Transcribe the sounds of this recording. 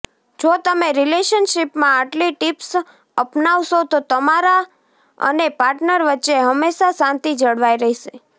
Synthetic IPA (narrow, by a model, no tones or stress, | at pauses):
d͡ʒot̪əmeɾileʃənʃipmãaʈliʈips | əpnaʋʃot̪ot̪əmaɾa | ə̰nepaɾʈnəɾʋətːʃeɦəmːeʃasãnt̪id͡ʒəɽʋaiɾəɦiʃe